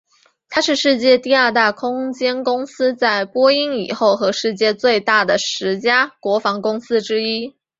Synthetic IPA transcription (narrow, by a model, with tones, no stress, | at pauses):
t̪ʰa˥ʂɻ̩˥˧ʂɻ̩˥˧t͡ɕjɛ˥˧t̪i˥˧ɐ˞˥˧t̪a˥˩kʰʊ˥ŋt͡ɕjɛ˥nkʊ˥ŋsɹ̩˥t͡sa˥˩ɪpwɔ˥i˥ŋḭ˨˩xo˥˩ʊxɤ˧˥ʂɻ̩˥˧t͡ɕjɛ˥˧t͡swe˥˧ɪt̪a˥˩d̪ə˩ʂɻ̩˧˥t͡ɕja˥kwɔ˧˥fɑ˧˥ŋkʊ˥ŋsɹ̩˥ʈ͡ʂɻ̩˥i˥